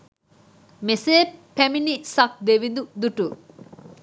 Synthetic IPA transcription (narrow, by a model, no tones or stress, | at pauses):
meseːpæminisɐk̚d̪eʋid̪ud̪uʈu